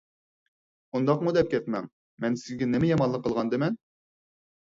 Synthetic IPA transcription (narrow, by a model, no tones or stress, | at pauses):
und̪ɑqmud̪ɛp̚kʲʰɛt̪mɛ̰ŋ | mɛnsɪzɡʲɛnɪmɛjɑmɑnlˠəqːəlˠʁɑnd̪ɨmɛn